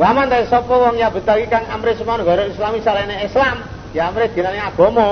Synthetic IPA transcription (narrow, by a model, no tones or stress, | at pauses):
wamant̪asɔpɔwɔŋjabə̤t̪akikaŋamɾesumanuɡa̤ɾoislamisalaneislam | jaːmɾed̪̥i̤naneaɡ̥ɔ̤mɔ